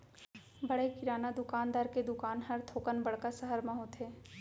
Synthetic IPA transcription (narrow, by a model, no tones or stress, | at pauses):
bɐɽekɪɾaːnad̪ʊkaːnd̪aːɾked̪ʊkaːnɦɐɾt̪ʰoːkənbɐɽkasəɦəɾmãɦot̪ʰɦeː